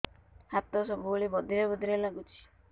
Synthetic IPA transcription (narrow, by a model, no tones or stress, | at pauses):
hat̪ɔsɔbuoɭibɔd̪ʱiɾɛbɔd̪ʱiɾalaɡut͡ʃʰi̥